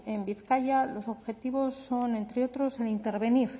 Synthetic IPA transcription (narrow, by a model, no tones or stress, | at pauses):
e̞mbiθkaʝalo̞so̞βxe̞t̪iβo̞sːo̞nẽ̞nt̪ɾeo̞t̪ɾo̞selint̪e̞ɾβe̞niɾ